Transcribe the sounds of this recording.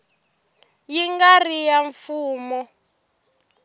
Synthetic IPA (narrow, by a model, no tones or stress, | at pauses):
jiŋɡarijaɱfuːmɔ